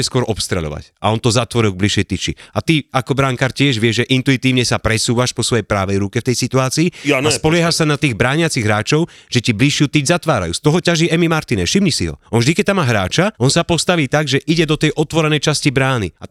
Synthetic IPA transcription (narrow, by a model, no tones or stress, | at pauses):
ɛskʊɔɾʔɔpst̪ɾɛ̰ʎɔ̰ʋa̰ca̰ɔnt̪ɔzat̪ʋɔɾilˠɡ̚bliʃjɛjt̪it͡ʃḭat̪iakɔbɾaŋkaɾcɪɛʒʋɪɛʒʒɛʔint̪uit̪iːʊɲɛsapɾɛsuːʋaʃpɔsʋɔjɛjpɾaːʋɛjɾukɛft̪ɛjsit̪uaːt͡siːaspɔlɪɛɦaʃsanat̪iːɣbɾaːɲɪat͡siɣɦɾaːt͡ʃɔʊ | ʒ̥ɛcibliʃjut̪id͡ʒzat̪ʋaːɾa̰jṵːst̪ɔɦɔcaʒiɛmimaɾt̪inɛʃimɲisiɦɔ̰ɔnvʒd̪ikɛc̚t̪amːaːɦɾa̰ːt͡ʃaʔɔnsapɔst̪aʋiːt̪aɡʒɛʔiɟɛd̪ɔt̪ɛjʔɔt̪ʋɔɾɛnɛjt͡ʃascibɾaːnḭa